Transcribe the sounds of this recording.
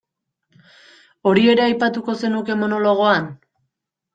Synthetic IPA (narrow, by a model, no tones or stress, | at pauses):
o̞ɾie̞ɾe̞ajpat̪uko̞se̞nuke̞mo̞no̞lo̞ɣ̞oan